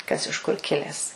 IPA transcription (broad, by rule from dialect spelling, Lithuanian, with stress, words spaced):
kɐs ɪʃ kʊr ˈkʲɪlʲɛs